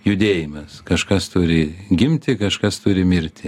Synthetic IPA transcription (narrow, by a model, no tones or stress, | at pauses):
jʊd̪ʲeːjɪmɐskɐʃkɐst̪ʊɾʲɪɡʲɪmʲt̪ʲɪkɐʃkɐst̪ʊɾʲɪmʲɪɾʲt̪ʲɪ